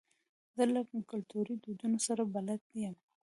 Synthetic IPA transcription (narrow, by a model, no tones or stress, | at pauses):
d̪əlakkʊlt̪uɾid̪ud̪unosaɾabalad̪̚d̪ijam